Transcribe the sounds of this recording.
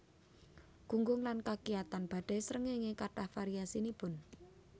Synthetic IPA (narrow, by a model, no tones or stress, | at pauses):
ɡ̥uŋɡʊŋlankakiat̪anb̥a̤ɖ̥ɛ̤səɾəŋeŋekaʈahfaɾiasinipʊn